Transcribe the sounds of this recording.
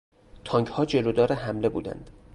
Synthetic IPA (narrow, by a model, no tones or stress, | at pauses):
t̪ʰɒːŋɡhɒːd͡ʒe̞lod̪ɒːɾeɦæmle̞bṵːd̪æ̰nd̪̥